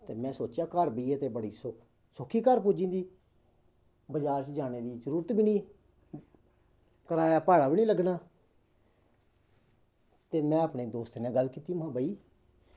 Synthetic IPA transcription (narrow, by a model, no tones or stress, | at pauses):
t̪eːmɛ̃ːsoːt͡ʃjaːkəɾbiːt̪eːbəɽiːsʊ | sʊkʰːiːkəɾpuːd͡ʒĩːd̪iː | bəd͡ʒaːɾt͡ʃd͡ʒaːneːd̪iːzəɾuːɾət̪biːnĩː | kəɾaːjaːpaːɽaːbiːnĩːləɡnaː | t̪eːmɛ̃ːəpɳeːd̪oːst̪ːnẽːɡəlkiːt̪iːmãːbaːiː